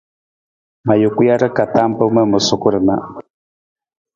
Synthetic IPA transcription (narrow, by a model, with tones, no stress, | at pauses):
ma˨jʊ˨ku˦ja˦ɾə˦ka˨t̪a˦mpə˦mə˦mʊ˨sʊ˨ku˦ɾə˨na̰˨